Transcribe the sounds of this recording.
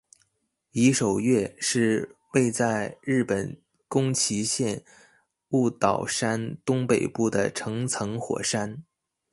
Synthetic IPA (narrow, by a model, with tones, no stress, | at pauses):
i˧˥ʂo˨˩ʊɥɛ˥˧ʂɻ̩˥˧we˥˧ɪt͡sa˥˧ɪɻɻ̩˥˩pə˨˩n | kʊ˥ŋt͡ɕʰi˧˥ɕjɛ˥˧n | u˥˩t̪ɑ˨˩ʊʂa˥nt̪ʊ˥ŋpe˨˩ɪpu˥˩d̪ə˩ʈ͡ʂʰɤ˧˥ŋt͡sʰɤ˧˥ŋxwɔ̰˨˩ʂa˥n